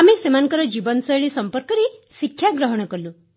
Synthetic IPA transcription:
amesemanŋkɔɾɔd͡ʒibɔnsɔjɭisɔmpɔɾkɔɾesikʰːjaɡɾɔɦɔɽ̃ɔkɔɾlu

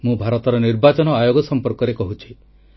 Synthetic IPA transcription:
mũbʱaɾɔt̪ɔɾɔniɾbat͡ʃɔnɔajoɡɔsɔmpɔɾkɔɾekɔɦut͡ʃʰi̥

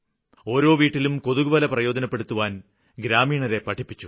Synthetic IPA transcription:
o̞ːɾo̞ːʋiːʈːilumko̞ðuɣuʋɐlɐprɐjo̞ːd̪ɐnɐpːe̞ɽut̪ːuʋaːn | ɡɾaːmiːɳɐɾe̞pɐʈʰipːit͡ɕːu

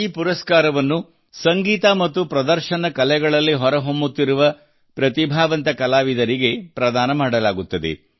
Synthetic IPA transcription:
iːpuɾɐskaːɾɐʋɐnːu | sɐŋɡiːt̪ɐmɐt̪ːupɾɐd̪ɐɾʃɐnɐkɐlɛɡɐɭɐlːiɦɔɾɐɦombut̪ːiɾuʋɐ | pɾɐt̪ibʱaːʋɐnt̪ɐkɐlaːʋid̪ɐɾiɡe̞pɾɐd̪aːnɐmaːɽɐlaːɡut̪ːɐd̪e̞̰

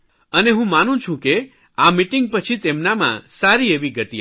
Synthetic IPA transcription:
əneɦũmanũt͡ʃʰũke | amiʈɪŋɡ̚pət͡ʃʰit̪emnamã̰saɾieʋiɡət̪i

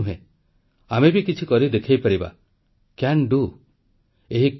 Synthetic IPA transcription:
ɦḛ̃ | amebikit͡ʃʰikɔɾid̪ekʰajpaɾiba̰ | kanɖu | eɦi

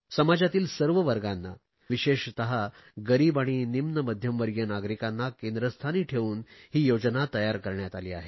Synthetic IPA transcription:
səmad͡zat̪iːlsəɾʋəʋəɾɡanːa̰ | ʋiɕeɕt̪əɦa | ɡəɾiːbaɽ̃inimnəməd̪ʱjəmʋəɾɡjənaɡɾikãnːakend̪ɾəst̪ʰaniːʈʰeʋuːnɦiːjod͡znat̪əjaɾkəɾɳjat̪aliːa̰ɦe

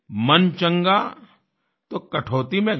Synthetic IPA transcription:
mɐnt͡ʃɐ̃ŋɡa | t̪okɐʈʰoːt̪imẽ

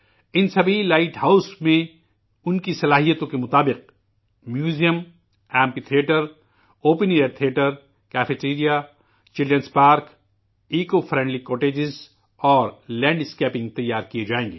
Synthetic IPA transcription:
ɪnsɐbʱilaːɪʈhaːʊsmẽ | ʊnkisɐlaːɦijət̪õkemʊt̪aːbɪq̚ | mjuːzijəm | ɛ̃ːmpit̪ʰijeːʈəɾ | oːpənieɖt̪ʰieːʈəɾ | kɛːfeʈɾiːɾija | t͡ʃɪlə̃nspaːɾk | iːkofʰɾɛ̃ːɳɖlikɔːʈeːd͡ʒɪz | ɔːɾlɛ̃ːɳɖɪskɛːpɪ̃ŋɡ̚t̪ɐjːaːɾkijed͡ʒaːẽːŋɡḛː

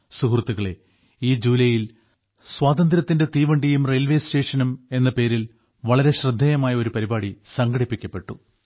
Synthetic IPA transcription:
suhrɐt̪ːuɣɐɭe̞ | iːd͡ʑuːlɐjil | swaːd̪ɐnd̪ɾɐt̪ːinde̞t̪iːʋɐɳɖijumrejlʋeːste̞ːʂɐnume̞nːɐpe̞ːɾil | ʋɐɭɐɾe̞ɕrɨd̪ʱːɐjɐmaːjɐo̞ɾupɐɾibaːɽisɐŋɡɐɽipːikʲːɐpːe̞ʈːu

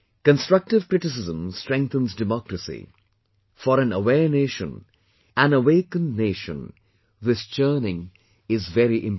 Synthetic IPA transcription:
kə̃nstɹ̥ʌk̚ʈɪʋkɾɪʈɪs̬ɪzə̃mstɾɛ̃ŋk̚θə̃nzdɪmɔkɾəsḭ | fɔɾæ̃nəwɛneːʃə̰̃n | æ̃nəweɪkə̃nːeːʃə̰̃n | ðɪst͡ʃəːnɪ̃ŋ | ɪzvɛɾiʔɪ̃m

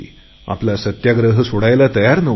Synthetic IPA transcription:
ḭ | ɐ̰plasɐt̪jaɡɾəɦɨsuɽajɐlat̪ɐjaːɾnɨ

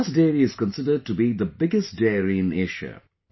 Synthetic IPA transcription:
sdeːɾiɪz̥kə̃nsɪdəɖ̚ʈubid̪əbɪɡəstdeːɾĩːnɪʃə̰

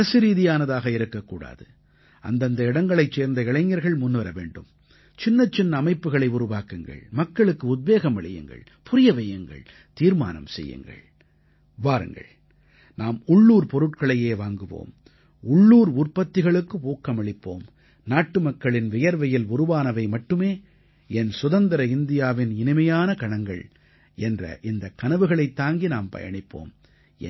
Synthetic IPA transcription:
ɐsɯɾiːðɪjaːnɐðaːɣɐɪɾɯkːɐkːuːɽa̰ːðɯ | ʔɐ̰nd̪ɐnd̪ɐɪɽɐŋɡɐɭɐɪt͡ʃːeːɾnd̪ɐɪɭɐɪɲːɐɾɣɐɭmʊnːʋɐɾɐʋḛːɳɖɯm | t͡ʃɪnːɐt͡ʃːɪnːɐːmɐɪpːɯɣɐɭɐɪʊɾʊʋaːkɯŋɡɐ̰ɭmɐkːɐɭɯkːɯʊd̪̚beːɣɐmɐɭɪ̰jɯ̰ŋɡɐ̰ɭ | pʊɾɪjɐʋɛjɐŋɡɐ̰ɭ | t̪iːɾma̰ːnɐ̰msɛ̰jːɯ̰ŋɡɐ̰ɭ | ʋaːɾɯ̰ŋɡɐ̰ɭ | naːmʊɭːuːɾpɔɾɯʈkɐɭɐjeːʋaːŋɡɯʋo̰ːm | ʊɭːuːɾʊrpɐt̪ːɪɣɐɭɯkːɯpoːkːɐmɐɭɪpːo̰ːm | naːʈːɯmɐkːɐɭɪnʋɪjɐɾʋɐjɪlʊɾɯʋaːnɐʋɐɪmɐʈːɯmeː | ɛnsʊðɐnd̪ɐɾɐɪnd̪ɪjaːʋɪnɪnɯmɐjaːnɐkɐɳɐŋɡɐ̰ɭ | ʔɛndrɐ̰ʔɪnd̪ɐkːɐnɐʋɯɣɐɭɐɪt̪ːaːŋɡinaːmpɐ̰jɐ̰ɳɪpːo̰ːm

